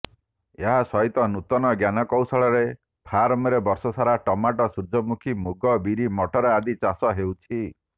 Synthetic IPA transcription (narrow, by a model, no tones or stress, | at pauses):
eɦasɔɦit̪ɔnut̪ɔnɔɡjanɔkɔwsɔɭɔɾe | pʰaɾmɔɾebɔɾsɔsaɾaʈɔmaʈɔsuɾd͡ʒʱɔmukʰimuɡɔbiɾimɔʈʰɔɾɔad̪it͡ʃasɔɦewt͡ʃʰi